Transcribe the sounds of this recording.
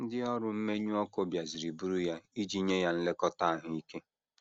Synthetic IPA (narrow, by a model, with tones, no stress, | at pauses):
n̩˦dɪ˦ɔ˦ɾʊ˨m̩˦me˦ɲu˦ɔ˦ko˦bja˨zi˨ɾi˨bu˦ɾu˦ja˦i˦d͡ʒi˦ɲe˦ja˦n̩˦le˦kɔ˦ta˦a˨ɦʊ˨i˦ke˦